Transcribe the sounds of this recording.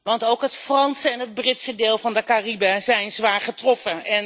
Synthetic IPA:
ʋɑntowkɦətfrɑnsəɛnɦəd̚brɪtsədeːlˠvɑndəkaribɛzɛjnzʋaːɹχətrɔfəɛn

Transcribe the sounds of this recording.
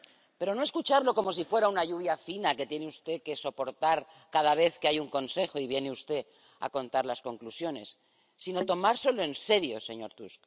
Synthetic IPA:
pe̞ɾo̞no̞e̞skut͡ʃaɾlo̞ko̞mo̞s̬ifwe̞ɾaunaʎuβ̞jafinake̞t̪je̞neust̪e̞ke̞so̞po̞ɾt̪aɾ | kað̞aβ̞e̞θkeajuŋko̞nse̞xo̞iβ̞je̞neust̪e̞ | a̰kõ̞nt̪aɾlasko̞ŋklusjo̞ne̞sː | ino̞t̪o̞maɾsoloe̞nse̞ɾjo̞seɲo̞̰ɾt̪ṵsk

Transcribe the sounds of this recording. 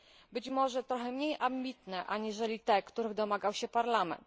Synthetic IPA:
bɘt͡ɕmɔʐɛt̪ɾɔxɛmɲejʔambʲit̪nɛʔaɲiʐɛlʲit̪ɛkt̪uɾɘɣd̪ɔmaɡawɕɛpaɾlamɛ̰nt̪

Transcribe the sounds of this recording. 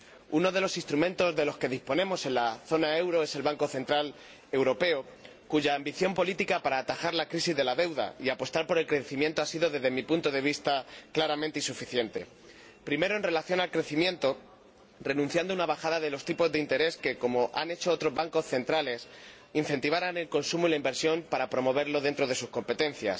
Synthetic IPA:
uno̞ð̞e̞lo̞sist̪ɾumẽ̞nt̪o̞zðe̞lo̞ske̞ðispo̞nẽmo̞se̞nlaθo̞nae̞wɾo̞e̞se̞lβaŋko̞θe̞nt̪ɾal | e̞wɾo̞pe̞o | kuʝaːmbiθjo̞mpo̞lit̪ikapaɾaːt̪axaɾlakɾisizðe̞laðe̞wða̰iapo̞st̪aɾpo̞ɾe̞lkɾe̞θimje̞nt̪o̞asiðo̞ðe̞zðe̞mipunt̪o̞ð̞e̞β̞ist̪aklaɾament̪einsufiθje̞nt̪e̞̰ | pɾime̞ɾo̞e̞nre̞laθjo̞nalkɾe̞θimjẽ̞nt̪o̞ | re̞nũn̟θjand̪ounaβaxaðaðe̞lo̞st̪ipo̞zðeint̪e̞ɾe̞ske̞ko̞mo̞ʔane̞t͡ʃo̞ot̪ɾo̞zβaŋko̞sθe̞nt̪ɾale̞s | in̟θe̞nt̪iβ̞aɾane̞lko̞nsumoilaimbe̞ɾsjo̞mpaɾapɾo̞mo̞β̞e̞ɾlo̞ðe̞nt̪ɾo̞ð̞e̞susko̞mpe̞t̪e̞n̟θja̰s

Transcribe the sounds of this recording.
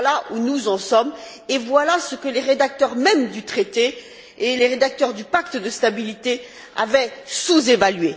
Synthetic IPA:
laʔunuzɑ̃sɔm | evwalasəkəleʁed̪ak̚t̪œʁmɛmd̪yt̪χet̪eː | leʁed̪ak̚t̪œʁd̪ypakt̪d̪əst̪abilit̪e | a̰vɛsuzevalɥe

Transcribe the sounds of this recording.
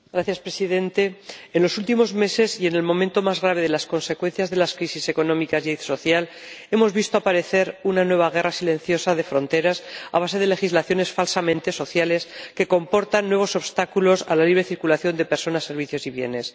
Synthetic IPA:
ɡ̥ɾaθjaspɾesiðẽ̞nt̪e̞enlo̞sult̪imo̞zme̞se̞sie̞ne̞lmo̞mẽ̞nt̪o̞mazɣ̞ɾaβ̞e̞ð̞e̞lasko̞nse̞kwe̞n̟θjazðe̞laskɾisise̞ko̞nõ̞mikasjsoθjal | e̞mo̞zβist̪oapaɾe̞θe̞ɾunanwe̞βaɣ̞e̞rasilẽ̞n̟θjo̞saðe̞fɾõ̞nt̪e̞ɾasa̰β̞ase̞ð̞e̞le̞xizlaθjo̞ne̞sfalsamẽnt̪e̞so̞θjale̞ske̞ko̞mpo̞ɾt̪anːwe̞β̞o̞so̞βst̪akulo̞sa̰laliβ̞ɾe̞θiɾkulaθjo̞nd̪e̞pe̞ɾso̞nase̞ɾβ̞iθjo̞siβje̞̰ne̞s

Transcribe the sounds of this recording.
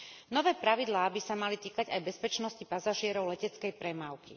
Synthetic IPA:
nɔʋɛːpɾaʋid̪laːbisamalit̪iːkaɟajbɛspɛt͡ʃnɔscipazaʒɪɛɾɔʊlɛcɛt͡skɛjpɾɛmaʊkḭ

